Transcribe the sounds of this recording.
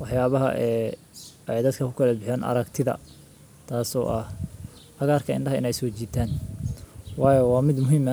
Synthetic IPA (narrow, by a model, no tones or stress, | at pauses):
wɑħjaːβɐɦɐ̰ʔɛː | ɛjd̪ɐd̪kʰɐkʰʊkʰɐlɐbɪħɛːnɐ̰ɾɐkt̪ʰɪðɐ̰ | t̪ʰaːsɔ̰ːʔɐhʔɐɣaːrkʰɐɪ̰ɳɖɐɦɐɪ̰nɛjsɔːt͡ʃiːt̪ʰaːn | wɑːjɔwɑːmɪd̪mʊɦiːmɐ